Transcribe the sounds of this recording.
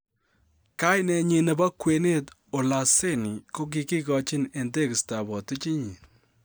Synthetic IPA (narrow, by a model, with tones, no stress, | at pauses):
ka˦jnɛ˦˧ɲi˨ne˨ba˦kwe˨˦ne˦t | o˨la˨se˦ni˨ko˦k̬i˨ki˦kɔ˦t͡ʃɪ˦ne˨nde˦˨kɪ˨sta˨bɔ˨tɪ˦t͡ʃi˦ɲi˨